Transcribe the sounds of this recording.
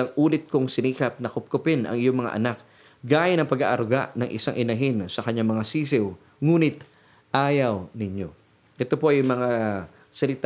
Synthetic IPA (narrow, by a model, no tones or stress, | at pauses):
ɐŋʔuːlɪt̪̚koŋsɪniːkɐp̚nɐkʊp̚kʊpɪnɐ̰ŋɪjo̞ŋmɐŋa̰ʔɐ̰nak̚ | ɡaːjɐnɐŋpɐɡa̰ʔɐɾɡa̰ʔnɐŋʔɪ̰saŋʔɪnɐɦɪnsɐkɐɲaŋmɐŋasiːs̬ɪw | ŋuːnɪt̪̚ | ʔaːjɐwnɪɲo̞̰ | ʔɛt̪o̞po̞ʔɐjmɐŋa | sɐlɪt̪